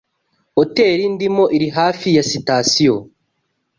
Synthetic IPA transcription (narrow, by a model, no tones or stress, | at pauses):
ote̞ːɾindimo̞ʔiɾiɦaːfijasitasijo